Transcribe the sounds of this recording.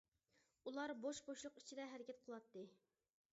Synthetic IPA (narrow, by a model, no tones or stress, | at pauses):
ulˠɑɾboʃboʃlˠʊqi̥t͡ʃʰid̪ɛɦɛɾɪkʲʰɛt̪̚qʰəlˠɑt̪ːɨ